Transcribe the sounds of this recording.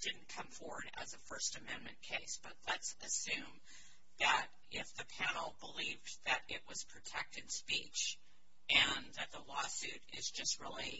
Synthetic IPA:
d̥ɪdⁿn̩kʰʌ̃ɱfɔɹwə̰˞ɾɨ̰zɨfɜ˞stɨmɛ̃nmɨ̃nkʰeɪsb̥ʌt̚ˡlətsɨsʉ̃m | ðɨɾ | ʔɪfðɨpʰænl̩ˠbəliv | ðɨɾɪʔ̚wʌz̥pʰɹ̥ɨtʰɛk̚tɨ̃nspit͡ʃ | ʔɨ̃nðɨt̪̚ðəlɔsʉɾɪ̰zd͡ʒʌst̚ɹɪ̰lˠi

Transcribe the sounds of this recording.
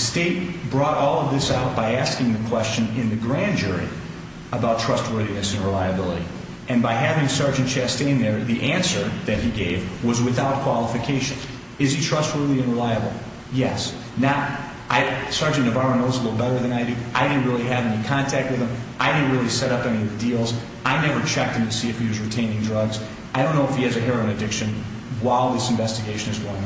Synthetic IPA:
steɪt̚b̥ɹɔɾʔɔlˠʌvðɪsaʊt̚b̥aɪæskɪ̃ŋðɨkʰw̥ɛst͡ʃɨ̃nɪ̃nðɨɡɹæ̃nd͡ʒʊɹḭ | əbaʊtʰɹ̥ʌst̚wɜ˞ðinɨsɨ̃n̩ɹəlaɪɨbɪlˠəɾḭ | ɨ̃nbaɪɦævɪ̃ŋsɑɹd͡ʒɨ̃n̩t͡ʃʰæstẽɪ̃nðə˞ðiʔæ̃nsə˞ðɨt̚hiɡeɪvwʌzwɨθaʊt̚kʰw̥ɑlˠəfɨkʰeɪʃɨ̃n | ɨz̥itʰɹ̥ʌst̚wɜ˞ðiɨ̃nɹəlaɪɨbl̩ˠ | jɛs | na | ʔaɪsɑɹd͡ʒɨ̃ntnɨvɑɹə̃nðoʊzlɪl̩ˠbɛɾə˞ðɨ̃naɪɾiʔaɪɾɪdⁿn̩ʔ̚ɹɪlˠiɨvɛnikʰɑ̃ntʰæk̚t̚wɨð̥ɨ̃mʔaɪɾɪdⁿn̩ʔ̚ɹɪlˠisɛɾʌpɛniʌvɨdilˠz | ʔaɪnɛvə˞t͡ʃʰɛk̚t̚ɨ̃mtʰɨsiɨfhiwʌzɹɨtʰẽɪ̃nɪ̃ŋdɹʌɡz | aɪɾõʊ̃nːoʊəfhiɨzɨɦɛɹɨ̃nɨdɪkʃɨ̃n | waɪlˠðɪsɱ̩vɛstɨɡeɪʃɨ̃nɨzɡoʊɪ̃ŋ

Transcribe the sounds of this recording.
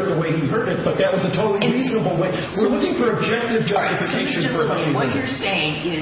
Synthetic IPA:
t̪̚ðəweɪiɦɜ˞ɾɨt̚b̥ʌt̪̚ðɨt̚wʌzɨtʰoʊɾl̩ˠiɹiznəbl̩ˠweɪ | wɪɹlʊkɪ̃ŋfə˞ɨb̚d͡ʒɛk̚tɨvd͡ʒʌstɨfɨkʰeɪʃɨ̃nfə̃˞ | wʌə˞seɪɪ̃ŋɪ

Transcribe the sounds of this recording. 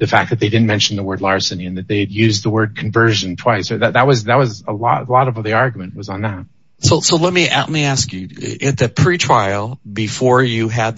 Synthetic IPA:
ðɨfæk̚ðɨt̪̚ðeɪdɪdⁿn̩mɛ̃nʃn̩ðəwɜ˞dˡlɑɹsɨ̃nĩɨ̃nðɨt̪̚ðeɪdjʉzðəwɜ˞d̚kʰɨ̃ɱvɜ˞ʒɨ̃ntʰw̥aɪsə˞ðɨt̪̚ðɨt̚wʌzðɨt̚wʌzəlɔ̰ɾlɔɾʌvðiɑɹɡjmɨ̃nʔwʌzn̩ðət̚ | soʊsoʊlɛt̚miʔæ̰ʔn̩liæskjʉɪt̪̚ðɨpʰɹ̥itʰɹ̥aɪl̩ˠbɨfɔɹjɨɨd̪̚

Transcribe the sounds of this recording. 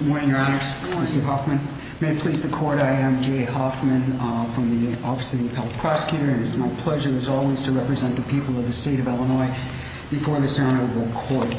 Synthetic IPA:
mɔ̃ɹnɪ̃ŋjə˞ænɨksɪstə˞ɦɑfmɨ̃n | meɪɨt̚pʰl̥izðɨkʰɔɹɾaɪɨ̃md͡ʒeɪɦɑfmɨ̃nfɹʌ̃mðiɔfɨsɨɾiɨvhɛl̚ˠpʰɹ̥ɑsə̥kʰjʉɾə˞ɨ̃nɨtsmaɪpʰl̥ɛʒə˞ɨzɔlˠwiz̥tʰɨɹɛpɹɨzɛ̃nðɨpʰipl̩ˠʌvðɨsteɪɾʌvɛlˠənɔɪ | b̥ɨfɔɹðɪsãʊñə˞bl̩ˠkʰɔɹt̚

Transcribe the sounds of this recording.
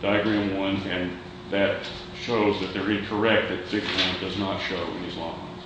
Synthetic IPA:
d̥aɪɨɡɹæ̃mwʌ̃nɨ̃n | ðɨt̚ | ʃoʊzðɨt̪̚ðə˞ɪ̃kʰə˞ɛk̚t̪̚ðɨt̪̚b̥ɪɡwɔ̃ndʌznətʃoʊwɨ̰̃nizlɔ̰̃ŋ

